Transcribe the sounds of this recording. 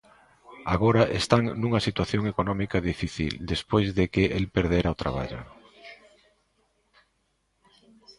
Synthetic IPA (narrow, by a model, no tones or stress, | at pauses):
aɣ̞oɾɐʔest̪aŋnuŋɐsit̪waθjoŋekonɔmikaðifiθḭld̪espojzðekɪʔelpeɾðeɾaot̪ɾa̰β̞a̰ʎʊ̰